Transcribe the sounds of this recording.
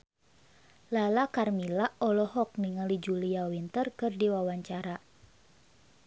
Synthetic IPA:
lalakarmilaɔlɔɦɔk̚niŋalid͡ʒuliawint̪ərkɨrdiwawaɲt͡ʃaɾa

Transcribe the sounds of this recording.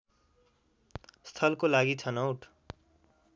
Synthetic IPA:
st̪ʰʌlkolaɡit͡sʰʌnʌwʈʰ

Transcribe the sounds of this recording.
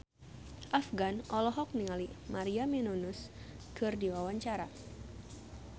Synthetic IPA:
ʔafɡanʔɔlɔɦɔk̚niŋalimaɾiamɛnunʊs | kʰɨrdiwawaɲt͡ʃaɾa

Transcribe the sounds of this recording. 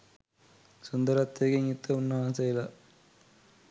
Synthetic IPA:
sund̪ɐɾɐt̪ːeːɡeŋit̪ːɐunːɐʋaːnsɐilɐ

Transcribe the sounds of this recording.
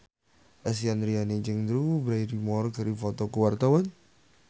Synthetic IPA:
ʔas̬ianɾianet͡ʃəŋd̪ɾubɾaiɾimɔrɡaɾifɔt̪ɔkuwart̪awan

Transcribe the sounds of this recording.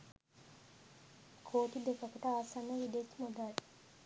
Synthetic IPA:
kʰoːʈid̪ekɐkuʈəaːsɐnːəʋid̪eːt̪ːmod̪aːʈi̥

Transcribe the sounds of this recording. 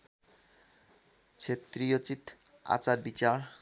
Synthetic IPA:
t͡ɕʰet̪ɾijot͡ɕit̪ | a̰t͡ɕaɾbit͡ɕaɾ

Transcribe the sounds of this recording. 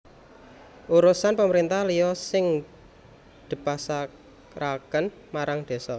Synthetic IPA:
ʔuɾusanpəməɾint̪ahlijɔsɪŋ | d̪̥i̤pasa | ɾakən | maɾaŋd̪̥e̤sɔ

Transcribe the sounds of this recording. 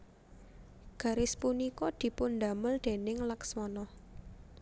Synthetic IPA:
ɡ̥a̤ɾɪspunikɔd̪̥i̤pʊnd̪a̤məld̪̥e̤nɪŋlakswɔnɔ

